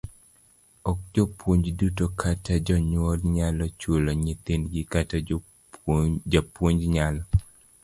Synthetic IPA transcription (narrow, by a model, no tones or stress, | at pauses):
ɔk̚d͡ʒɔpwoɲd͡ʒdutokʰatʰad͡ʒɔɲwɔlɲalɔt͡ʃwoloɲit̪inɡikata | d͡ʒapwoɲd͡ʒɲalɔ